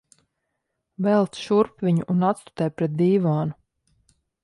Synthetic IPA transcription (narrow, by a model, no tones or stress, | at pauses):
vɛlˠt̪ʃuɾpvʲiɲuʔːnat̪st̪u̥t̪ɛjpɾɛt̪̚d̪iːvaːnu